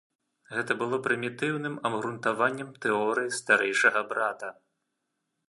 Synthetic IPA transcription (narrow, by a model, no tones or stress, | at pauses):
ɣɛt̪ɐbɨlˠɔpɾɨmʲit̪ɨwnɨmɐbɣɾunt̪avanʲːɛmt̪ɛɔɾɨjist̪aɾɛjʂɐɣɐbɾat̪ɐ